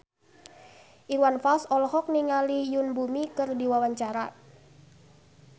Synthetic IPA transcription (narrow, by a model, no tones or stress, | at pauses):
ʔiwanfalsɔlɔɦɔk̚niŋalijʊnbumikərdiwawaɲt͡ʃaɾa